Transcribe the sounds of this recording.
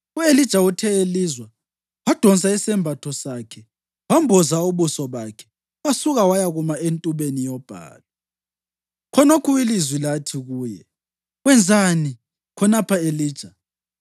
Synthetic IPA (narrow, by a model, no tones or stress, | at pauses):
uelid̥ʒ̥ʱautʰɛeliːzwa | wad̥ʱɔns̬ʼaisɛmbʱatʰɔsakʰɛ | wambʱɔzauβusɔβakʰɛ̥ | wasuɣawajaɣumaentʼuβenijɔb̥ʱa̰ːla | kʰɔnokʰuilizwilatʰiɣuːjɛ | ɣwɛnd͡zʱani | kʰɔnapʰaeliːd̥ʒ̥ʱa